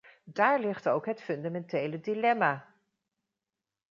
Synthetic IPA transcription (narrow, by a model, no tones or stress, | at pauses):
daːɹlɪχtowkɦətfɵndamɛntejlədilɛmaː